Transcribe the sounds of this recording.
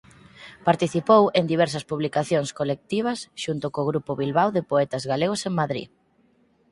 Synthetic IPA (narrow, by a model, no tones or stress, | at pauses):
paɾt̪iθipowend̪iβ̞ɛɾsɐspuβlikaθjoŋskolek̚t̪iβ̞ɐsʃunt̪ʊkoɣɾupʊβilβawðepoɛt̪ɐzɣaleɣ̞ʊseŋmaðɾḭ